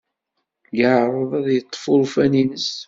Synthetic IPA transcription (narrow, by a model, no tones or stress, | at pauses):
jəʕɾˤəðˤæðjət̪ˤːfʊɾufæninəs